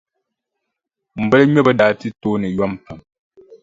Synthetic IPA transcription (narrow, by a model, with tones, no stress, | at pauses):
m̩˨bɛ˦lɲɔ˦bə˦daː˨˦ti˦toː˦nɨ˨jwa˦m˨pa˨m